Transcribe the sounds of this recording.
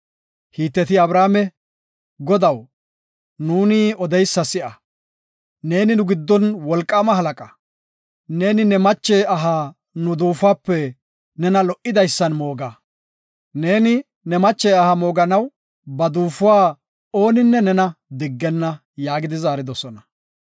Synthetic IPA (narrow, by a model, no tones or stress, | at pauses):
hiːt̪ːɛt̪̬ɪɐbɾaːmɛ | ɡɔd̪ɐw | nuːnɪɔd̪ɛjsːɐsɪʔɐ | ne̞ːnɪnʊɡɪd̪ːɔnwɔlkʼːaːmɐɦɐlɐkʼɐ | ne̞ːnɪnɛmɐt͡ʃːɛjɐɦa | nʊd̪uːfaːpːɛ | nɛnɐlɔʔɪd̪ɐjsːɐnmo̞ːɡɐ | ne̞ːnɪ | nɛmɐt͡ʃːɛɐhɐmo̞ːɡɐnɐw | bɐd̪uːfʊwaː | o̞ːnɪnːɛnɛnɐd̪ɪɡːɛnːɐ | jaːɡɪd̪ɪzaːɾɪd̪ɔsɔnɐ